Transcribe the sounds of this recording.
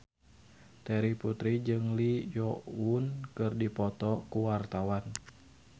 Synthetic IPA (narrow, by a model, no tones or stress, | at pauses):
t̪ɛɾiput̪ɾid͡ʒɨŋlijɔunkɨrdipɔt̪ɔkuwart̪awan